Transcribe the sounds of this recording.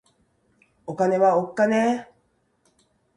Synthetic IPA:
okane̞βaokːane

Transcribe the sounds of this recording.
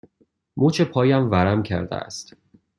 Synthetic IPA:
muːt͡ʃʰepʰɒːjæmvæɾæmcʰæ̰ɾd̪æ̰æ̰st̪

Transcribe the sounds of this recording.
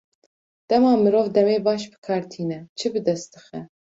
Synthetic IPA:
d̪̥ɛmɑːmɨɾoːvd̪ɛmeːbɑːʃbɨ̥kʰɑːɾt̪ʰiːnɛt͡ʃʰɨbɨd̪ɛst̪t̪ɨxɛ

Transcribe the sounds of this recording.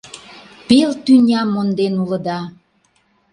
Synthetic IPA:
pelt̪ynʲɑmːond̪enulə̆d̪ɑ

